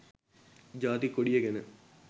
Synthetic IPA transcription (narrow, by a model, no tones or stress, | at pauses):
d͡ʒaːt̪ikoɽijeɡenə